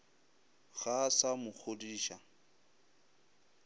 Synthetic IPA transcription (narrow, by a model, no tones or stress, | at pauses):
ɣasamʊk͡xʰodiːʃa